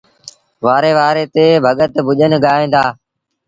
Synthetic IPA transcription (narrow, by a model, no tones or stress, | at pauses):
ʋaːɾeːʋaːɾeːt̪eːbʱəɠət̪bʱʊʄənɡaːẽːnd̪aː